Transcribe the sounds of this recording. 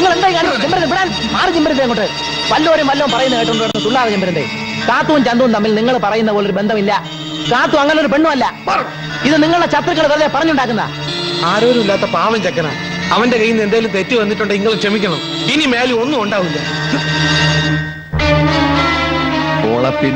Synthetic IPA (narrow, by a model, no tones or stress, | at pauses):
niŋːɐɭe̞nd̪aːjŋkːaːɽikːɐmd͡ʑimbɐɾɐd̪piɽaːl | aːrɨd͡ʑimbɐɾɐeːŋkoʈːɖɨ | ʋɐlːɐoːɾɐmʋɐlːɐʋumpɐrɐjunːɐkeːjiʈːoɳɖɨʋɐɽɐnːɐt̪uɭːaːðɐt͡ɕɐmbɐɾɐnd̪ḛ | saːt̪ːuʋumt͡ɕɐnd̪uʋumt̪ɐmːilniŋːɐɭpɐrɐjunːɐðpoːleoɾubend̪ʱɐmilːɐ | saːt̪ːuɐŋːɐnloɾupe̞ɳɖumɐlːɐ | iðɨniŋːɐɭɨɽet͡ɕɐt̪ːrɐkːɐɭʋɐɾɐðepɐrɐɲːuɳɖaːkːunːɐðɐ̰ | aːɾoːɾumilːaːt̪ːɐpaːʋɐmt͡ɕekːɐna̰ːɳ | ɐʋɐnde̞kɐjːinːe̞nd̪aːjilumt̪e̞tːɨʋɐnːiʈːuɳɖɨiŋːɐɭuʂemikʲːɐɳɐm | inimeːlio̞nːuoɳɖaːʋumilːɐ | o̰ɭɐpːin